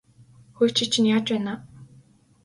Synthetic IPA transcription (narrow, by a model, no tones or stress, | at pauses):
xot͡ɕĭt͡ɕʰĭnjaːt͡ɕpæːnaː